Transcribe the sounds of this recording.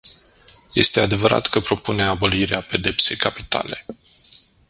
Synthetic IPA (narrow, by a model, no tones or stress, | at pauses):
je̞̰st̪e̞ad̪e̞vəɾa̰t̪kəpɾo̞pune̞abo̞liɾeape̞d̪e̞pse̞jkapi̥t̪a̰le̞